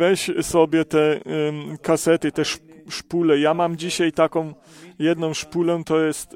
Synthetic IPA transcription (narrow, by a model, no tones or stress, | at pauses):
vɛɕsɔbʲjɛt̪ɛ | kasɛt̪ɘt̪ɛʂʂpulɛjamamd͡ʑiɕajt̪akɔ̃w̃ | jɛd̪nɔ̃w̃ʂpulɛt̪ɔjɛst̪